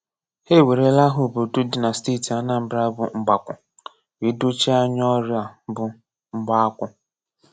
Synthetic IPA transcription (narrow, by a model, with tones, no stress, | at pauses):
he˦˨we˨ɾe˦la˦ɦʊ˨bʊ˨du˦dɪ˨na˨sti˦˨ti˨a˦na˨m̩˨˦bɾa˦bʊ˨ŋ͡m̩˨ɡ͡ba˨kʷʊ˨ | wi˦du˦t͡ʃi˦a˦ɲ˦ɔ˦ɾja˨bʊ˨ | ŋ͡m̩˦ɡ͡ba˦kʷʊ˦